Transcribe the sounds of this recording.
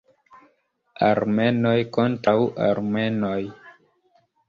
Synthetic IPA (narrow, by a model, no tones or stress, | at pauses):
a̰ɾme̞no̞jkontɾawʔa̰ɾme̞noj